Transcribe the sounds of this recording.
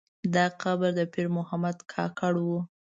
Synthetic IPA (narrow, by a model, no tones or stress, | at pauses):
d̪ɑqabaɾd̪əpɪɾmʊhamad̪kʰɑ̰kaɽwu